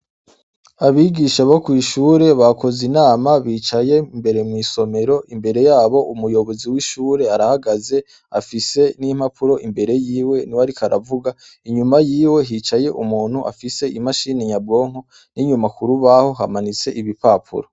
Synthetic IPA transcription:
aβiɡiʃaβokwiʃuːɾe̞βako̞zinaːmaβiːt͡ʃaje̞imbe̞ɾe̞mŋiso̞me̞ɾo̞ʔimbe̞ɾe̞jaːβo̞ʔumujo̞βo̞ziwiʃuːɾe̞aɾahaɡaze̞ | afise̞nim̥hapʰuɾo̞ʔimbe̞ɾe̞jiːwe̞niwaɾikʰaɾa̰vuɡa | iɲumajiːwe̞ɦit͡ʃaje̞ʔumuːn̥hua̰fise̞imaʃiːneɲabɡo̞ːŋo | niɲumakuɾuβaho̞ɦamanit͡se̞ʔiβipaːpʰṵɾo

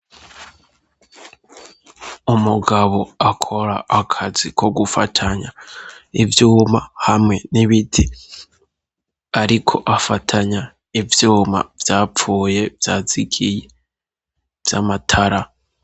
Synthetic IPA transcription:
umuɡaβo̞akʰo̞ɾaːkʰazikʰo̞ɡufatʰaɲaivjuːmahamŋe̞niβitʰi | aɾikʰo̞ʔafatʰaɲa | ivjuːma̰vjaːp͡fuːje̞vjaːz̥iɡije̞ | vjamatʰaɾa

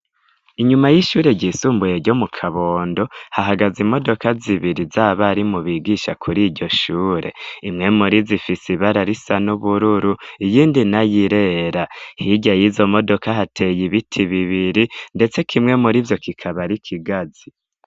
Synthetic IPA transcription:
iɲumajiʃuːɾe̞ɟiːsuːmbuje̞ɾɟo̞mukʰaβo̞ːndo̞haɦaɡazimo̞do̞kaziβiɾizaβaɾimuβiɡiʃakʰuɾiːɟo̞ʃuːɾe̞̰imŋe̞muɾizifisiβaɾaɾisanuβuɾuɾuijiːndinajiɾe̞ːɾahiɟajizo̞mo̞do̞kaɦatʰe̞jiβitʰiβiβiɾinde̞t͡se̞kʰimŋe̞muɾivjo̞kikʰaβaɾikʰiɡazi

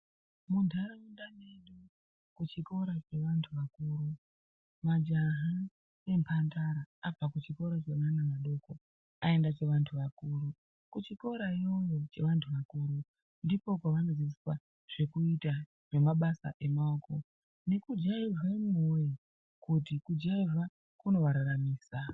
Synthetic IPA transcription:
mundʱaɾaundaneɗu | kut͡ʃiko̞ɾat͡ʃe̞ʋantʰuʋakuɾu | mad͡ʒaɦa | ne̞mpʰantaɾaapakut͡ʃiko̞ɾat͡ʃeʋanaʋaɗo̞ko̞ | ae̞ndat͡ʃe̞ʋantʰuʋakuɾu | kut͡ʃiko̞ɾaio̞jo̞t͡ʃe̞ʋantʰuʋakuːɾu | ndipo̞kaʋano̞zit͡siswa | ʐ̥e̞kuita | re̞maɓasa̰ʔe̞maoko̞ | ne̞kud͡ʒaivemoje | kut̬ikud͡ʒaiva | kuno̞ʋaɾaɾamiːsa

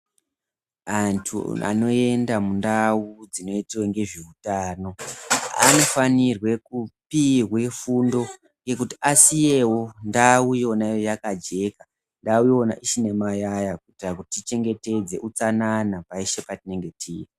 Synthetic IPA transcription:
antʰṵa̰no̞e̞ndamundaud͡zino̞itiweŋɡe̞ʐiutaːno̞a̰no̞fanirwe̞kupirwe̞fundo̞ | ŋɡe̞kutiasije̞wo̞ndaujonaijojakad͡ʒe̞ka | ndaujona̰ʔiʃine̞majajak̚utiakutit͡ʃe̞ŋɡe̞te̞d͡ze̞ʔut͡sananapaiʃe̞patine̞ŋɡe̞tʰḭːje

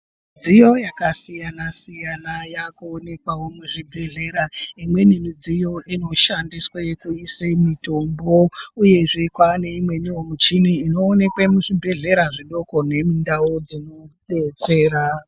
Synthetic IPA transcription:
id͡zijo̞jakasijanasijanajakuone̞kwawo̞muʐibʱe̞ɮe̞ɾaimwe̞nimid͡zijo̞ʔino̞ʃandiswajekuisemitombouje̞ʐikwane̞imwe̞niwomut͡ʃiniːno̞ːne̞kwemuʐibʱe̞ɮe̞ɾaʐiɗo̞ko̞ne̞mindaod͡zino̞ɓe̞t͡se̞ːɾa

